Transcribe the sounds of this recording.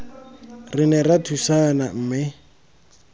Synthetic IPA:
rɪnɛratʰusanam̩ːmɪ

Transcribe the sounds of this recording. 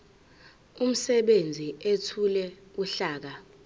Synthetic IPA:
um̩sɛɓend͡zʱiʔetʰulɛuɬaːk̬a

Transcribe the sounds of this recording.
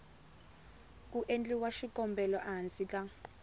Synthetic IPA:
k̬ʼuʔend͡ɮʼiwaʃikɔmbɛlɔʔaansikʼa

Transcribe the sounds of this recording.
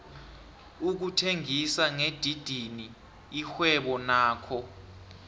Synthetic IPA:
uk̬utʰeŋisaŋed̥ʱid̥ʱini | ixwɛɓɔnaːkʰɔ

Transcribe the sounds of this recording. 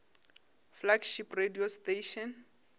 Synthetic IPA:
flaɡʃiprediosteʃɔn

